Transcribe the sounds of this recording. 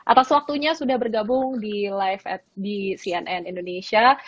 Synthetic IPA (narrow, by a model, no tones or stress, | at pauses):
ʔat̪aswak̚t̪uɲasudahbərɡabʊŋdilajfɛt̪̚disiɛnʔɛnindoneʃia